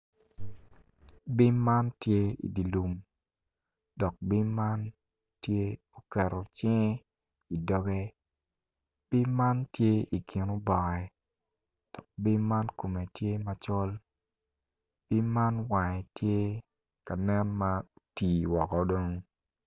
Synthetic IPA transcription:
bi˦mːa˦ntje˦ḭ˨di˨lu˨m | dɔ˨k̚bi˦mːa˦n | tje˦ | o˨kɛ˨ɾo˨t͡ʃɛ˦ŋ˦ | i˨dɔ˦ɡɛ˦ | b̥i˦mːa˦ntje˦i˨kʰi˨no˦bɔ˨ɛ˨ | d̥ɔ˨k̚bi˦mːa˦nko˨me˨tje˦ma˨t͡ʃɔ˦l | b̥i˦mːa˦nwa˨ŋɛ˨tje˦ | ka˨nɛ˦nma˦tiː˨wɔ˨kɔ˨do˦ŋ

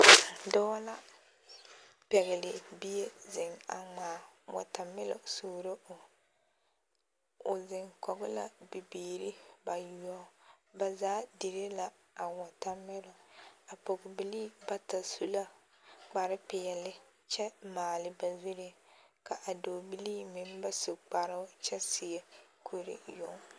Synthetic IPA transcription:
dɔ˦la˦ | pɛ˨ɣɪ˨lɪ˨bi˦e˦zɪ˨ŋa̰˨ŋ͡maː˨wɔ̰˨ta˨mːɪ˦lɔ̰˨suː˦˨ɾo˦ʔʊ˨ | ʊ˨zɪ˨ŋkɔ˨ɡɪ˦la̰˦bi˨biː˨ɾi˦ba˨ju˨ɔ˦ | ba˨zaː˦di˨ɾe˦la˦ | a˨wɔ˨ta˦mːɪ˦lɔ˨a˨po˨ɡʊ˨bi˦li˦ba˦ta˨su˨la˦ | k͡pa˨ɾɪ˦pɪ˨ɛ˨lɪ˦ | t͡ʃɛ˦maː˨lɪ˦ba˨zu˦ɾɪ˦ | ka˨ʔa˨do˨bi˦liː˦mɪ˨mba˦sʊ˨k͡pa˨ɾʊ˦ʊ˦t͡ʃɛ˦sɪ˨ɛ˦kʰo˦ɾɪ̰˦jo˦ŋ

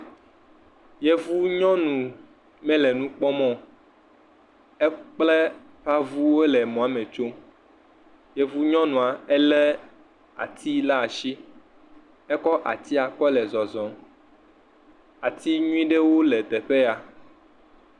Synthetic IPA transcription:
jɛ˦vu˦ɲɔ̃˦nũ˨ | mɛ̃˦lɛ˨nũ˦k͡pɔ˦mɔ̃˦ | ɛ˦k͡plɛ˦ | ɸa˦vu˦we˦lɛ˨mɔ̃˨a˦mẽ˨t͡ʃo˦ | jɛ˦vu˦ɲɔ̃˦nũ˨a˨ɛ˦lɛ˦ | a̰˨t̪ʰi˦la˦˨ʃi˦ | ɛ˦kɔ˦ʔa̰˨t̪i˦a˨kɔ˦lɛ˨zɔ˨zɔ˨˦m | a˨t̪i˦ɲũ˦ĩ˦ɖe˦wo˦lɛ˨t̪ɛ˨ɸe˦a˨

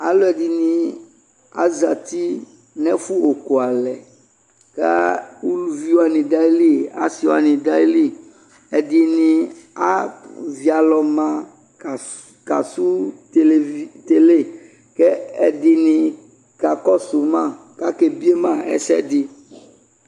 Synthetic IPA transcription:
a˨lɔ˦ɛ˨di˨nĩ˨ | a̰˦za˨t̪i˦ | nɛ̃˦fu˦o˨ko˨a˨lɛ˨ | ka̰˦u˦lu˨vi˦wo˦a˨nĩ˨da˦li˦˨a̰˦si˨wa̰˨nĩ˨da˦i˦li˦˨ | ɛ˨dɪ˨nĩ˨a˦vi˨a˨lɔ˨mã˦˨ | ka̰˨su˦te˦t̪e˨le˦˨ | kɛ˦ɛ˨dɪ˨nɪ̃˨ | ka˨kɔ˦su˨mã˦˨ | ka˦ke˨bi˦e˦mã˦˨ɛ̰˦sɛ̰˦dɪ˦

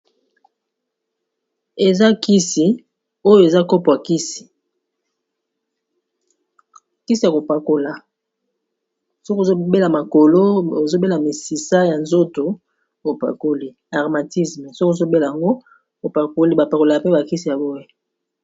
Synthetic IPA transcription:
e˨za˦ki˦si˨ | o˦jo˦e˨za˦ko˦pa˨ki˦si̥˨ | ki˦si˨ja˨ko˨pa˨ko˨la˨ | so˦ko˨o˦be˦la˨ma˨ko˨lo˦o˨zo˦be˦la˨mi˨si˨sa˦ja˨nzo˦to˨ | o˨pa̰˨ko˦li˦ | a˨ʁma˨ti˦sme˨so˦kzo˦be˦la˨ja˨ŋɡo˦ | o˨pa˨ko˦li˦ba˨pa˨ko˨la˨pe˦ba˨ki˦si˨ja˨bo˦e˦

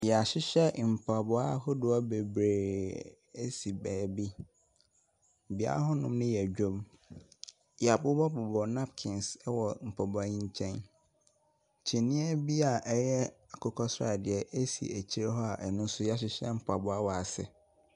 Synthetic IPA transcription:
jɛ˨a˨ɕɪ˦ɕɛ˦m̩˨pʰa˨bʊ˦a˦hɔ˦dʊ˨ɔ˦be˨bɾeː˨ | e˦si˨bɛː˨bi˦˨ | bi˨˦a̰˦a˦ɦɔ˦nʊ̃˦mnɪ̃˦jɛ˨d͡ʑᶣõ˦m | jɛ˨a˨bʊ˦bɔ˦bɔ˨bɔ˨nã˦pkʰɪ̃˨nsɛ˦wɔ˨m̩˨pʰɔ˨bʊ˨a˦ɲĩ˦ɲ˦t͡ɕʰɛ̃˦n | t͡ɕʰi˨nĩ˦æ˦bi˦a˨ʔɛ˦jɛ˦a˨kʰɔ˦kʰɔ˦sa˨dɪ˨ɛ˨ʔe˦sḭ˨æ˨t͡ɕʰi˦ɾe˦ɦɔ˦a˨ʔɛ˨nʊ̃˦n˦sʊ˦ja˨ɕ̬ɪ˦ɕɛ˦m̩˨pʰa˨bʊ˨˦a˦wɔ˨a˨sɪ̰˨

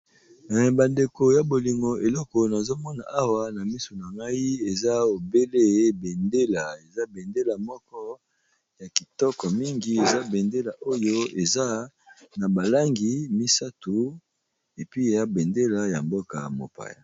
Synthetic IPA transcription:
ba˨nde˨ko˨ja˨bo˨li˨ŋɡo˨ʔe˨lɔ˦kɔ˨na˨zo˦mɔ˦na̰˨a˦wa˦na˨mi˦so˨na˨ŋɡa˦ji˦e˨za˦o˨be˦le˦be˨nde˦la˨e˨za˦be˨nde˦la˨mɔ˦kɔ˦ | ja˨ki˨tɔ˦kɔ˨mi˦ŋɡi˨e˨za˦be˨nde˦la˨ʔo˦jo˦e˨za˦ | na˨ba˨la˦ŋɡi˨mi˦sa˦tu˨ | e˨pi˦e˨za˦be˨nde˦la˨ja˨mbo˦ka̰˨mo̰˨pa̰˨ja̰˨

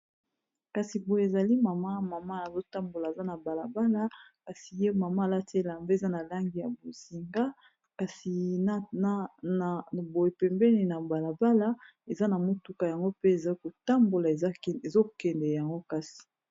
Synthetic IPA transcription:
ka˨si˨bo˨je˨e˨za˨li˦ma˨ma˦ma˨ma˦a˨zo˦ta˦mbo˨la˨e˨za˦na˨ba˨la˨ba˦la˦ka˨si˨je˦ma˨ma˦˨la˦te˦la˨mbe˦˨za˦na˨la˦ŋɡi˨ja˨bo˨zi˨ŋɡa˦ | ka˨si˨˦˨ | bo˨je˨pɛ˨mbɛ˦ni˨na˨ba˨la˨ba˦la˦ | e˨za˦na˨mo˦tu˦ka˨ja˨ŋɡo˦pe˦e˨za˦ko˨ta˦mbo˨la˨e˨˦˨e˨zo˦kɛ˨ndɛ˨ja˨ŋɡo˦ka˦si̥˨

